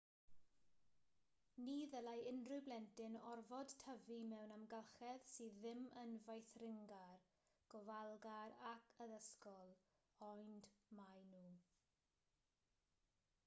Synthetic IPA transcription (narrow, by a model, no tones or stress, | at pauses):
niːðəlajɪndrɨwblɛntɪnɔrvɔd̥tʰəvimɛwnamɡəlˠχɛð̥siːðːɪmənvajθrɪŋɡar | ɡ̥ɔvalˠɡaɾakʰəðəskɔlˠ | ɔndmajnuː